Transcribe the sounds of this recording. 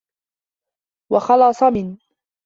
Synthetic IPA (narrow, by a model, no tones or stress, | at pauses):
wɑxɑlɑsˤɑmɪn